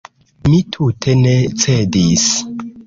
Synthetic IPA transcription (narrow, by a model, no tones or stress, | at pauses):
mitʰutʰe̞net͡sedis